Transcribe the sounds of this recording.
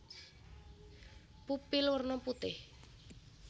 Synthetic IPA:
pupɪlwərnɔput̪ɪh

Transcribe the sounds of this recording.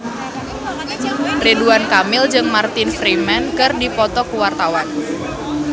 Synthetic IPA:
reduankamɪld͡ʒɨŋmart̪ɪnfɾimɛnkɨrdipɔt̪ɔkuwart̪awan

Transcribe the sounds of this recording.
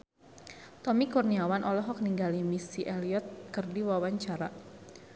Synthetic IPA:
t̪ɔmikurniawanʔɔlɔɦɔk̚niŋɡalimisiʔɛliɔt̪̚kɨrdiwawaɲt͡ʃaɾa

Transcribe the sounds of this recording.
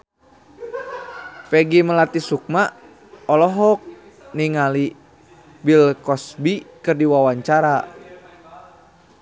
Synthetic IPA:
pɛɡiməlat̪isuk̚ma | ɔlɔɦɔk̚ | niŋali | bilkɔsbikɨrdiwawaɲt͡ʃaɾa

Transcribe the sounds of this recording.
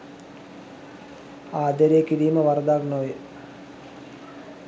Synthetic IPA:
aːd̪eɾeekiɽiːməʋaɾd̪aɡnoj

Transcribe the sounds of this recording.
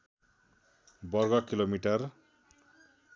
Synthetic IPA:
bʌrɡʌkilomiʈʌr

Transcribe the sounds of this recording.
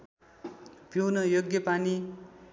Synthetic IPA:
pjownʌjoɡjʌpani

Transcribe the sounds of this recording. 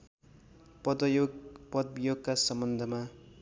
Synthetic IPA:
pʌd̪ʌjopʌd̪bjoɡ̚kasʌmbʌnd̪ʱʌma

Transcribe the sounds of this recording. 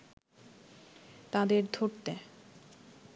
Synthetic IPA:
t̪ãd̪eɾd̪ʱoɾt̪e

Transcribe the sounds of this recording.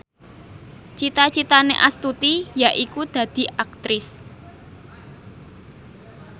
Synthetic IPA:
t͡ʃit̪at͡ʃit̪anḛʔast̪ut̪ijaʔikud̪̥ä̤d̪̥i̤ʔak̚t̪ɾɪs

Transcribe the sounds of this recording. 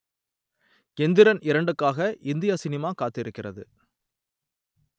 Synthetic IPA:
kɛnd̪ɪɾɐnɪɾɐɳɖɯkːaːɣɐʔɪnd̪ɪjaːsɪnɪmaːkaːt̪ːɪɾɯkːɪrɐðɯ̰

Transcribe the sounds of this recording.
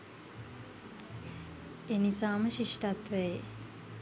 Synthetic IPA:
enisaːməʃiʂʈat̪ʋɛje

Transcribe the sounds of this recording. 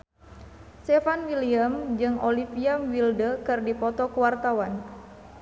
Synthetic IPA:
st̪ɛfanwiliamd͡ʒɨŋʔolipiamwildəkɨrdipɔt̪ɔkuwart̪awan

